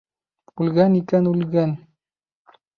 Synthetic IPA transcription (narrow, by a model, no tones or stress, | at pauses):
ulɡænikænulɡæn